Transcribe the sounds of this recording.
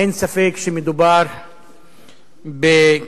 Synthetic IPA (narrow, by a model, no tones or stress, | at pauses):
insɐfekʃimid̪ubaːɾ | be